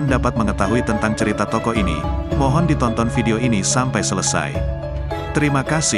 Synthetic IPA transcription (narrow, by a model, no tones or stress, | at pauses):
ndapat̪̚məŋət̪aɦuit̪ənt̪aŋt͡ʃəɾit̪at̪ɔkɔʔinḭmɔɦɔndit̪ɔnt̪ɔnfideoʔinisampajsələsa̰j | t̪əɾimakasɪ